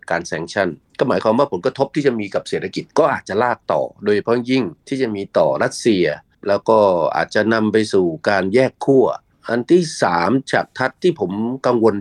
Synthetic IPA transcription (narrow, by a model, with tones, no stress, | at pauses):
kaː˧nsɛː˧ŋt͡ɕʰa˥˩nkɔː˥˩maː˩˦jkwaː˧mwaː˥˩pʰo˩˦nkɾa˧t̪ʰo˦˥p̪̚ʰiː˥˩t͡ɕa˨ʔmiː˧ka˨˩p̚seː˨˩t̪ʰa˧ki˨˩t̪̚kɔː˥˩ʔaː˨˩t̪̚t͡ɕa˨˩laː˥˩k̚t̪ɔ̰ː˨˩doː˧jt͡ɕpʰɾɔ˥˩ŋji˥˩ŋt̪ʰiː˥˩t͡ɕa˨˩miː˧t̪ɔː˨˩ɾa˦˥t̪̚si˧ɐ | lɛː˦˥wkɔː˥˩ʔa̰ː˨˩t̪̚t͡ɕa˨˩na˧mpa˧jsuː˨˩kaː˧njɛː˥˩kʰːu˥˩ɐ | ʔa˧nt̪ʰiː˥˩saː˩˦mt͡ɕa̰ː˨˩k̚t̪ʰa˦˥t̪ʰːiː˥˩pʰo˩˦mka˧ŋwo˧n